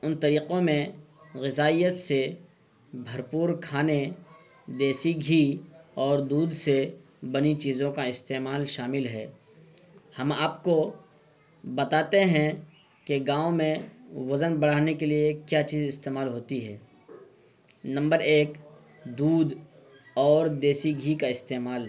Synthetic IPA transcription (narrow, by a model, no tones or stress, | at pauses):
ʊnt̪ɐɾiːqõmẽ | ɣɪzaːijət̪se | bʱɐɾpuːɾkʰaːne | d̪eːsiɡʱiːɔːɾd̪uːd̪se | bɐnit͡ʃiːzõkaɪst̪eːmaːlʃaːmɪlɦɛ̰ː | hɐmaːpko | bɐt̪aːt̪eɦɛ̃ | keɡãːõmẽʋɐzənbɐɽ̤aːnekeliekjaːt͡ʃiːzɪst̪eːmaːlɦoːt̪iɦɛː | nɐ̃mbəɾeːk | d̪uːd̪ | ɔːɾd̪eːsiɡʱikaɪst̪eːmaːl